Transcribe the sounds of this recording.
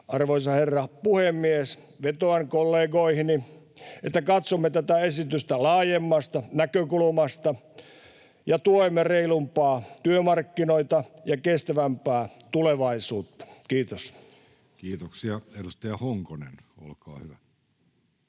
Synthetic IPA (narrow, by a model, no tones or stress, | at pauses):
ʔɑrʋoisɑherːɑpuhemːies | ʋet̪oɑŋkolːeːɡoihini | et̪ːækɑt̪somːet̪æt̪æesit̪yst̪ælɑːjemːɑst̪ɑnækøkulumɑst̪ɑ | jɑt̪uoemːereilumpɑːt̪yømɑrkːinoit̪ɑjɑkest̪æʋæmpæːt̪uleʋɑisuːt̪ːɑ̥kiːt̪os | kiːt̪oksiɑedust̪ɑjɑhoŋkonḛno̰lkɑ̰ːhyʋæ